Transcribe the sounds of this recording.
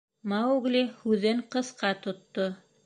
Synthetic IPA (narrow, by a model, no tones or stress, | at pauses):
mɑwuɡlihʉðɘŋqɤ̆sqɑt̪ŏt̪ːo